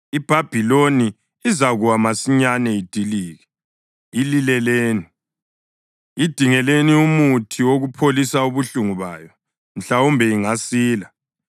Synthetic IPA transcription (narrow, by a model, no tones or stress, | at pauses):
ib̥ʱab̥ʱiloniː | zaɣuwamasiɲanɛid̥ʱiliːɣɛ | ililɛleːni | id̥ʱiŋɛleniumutʰiwoɣupʰolisauβuɬuŋuβa̰ːjɔ | m̩ɬaumbʱɛiŋasiːla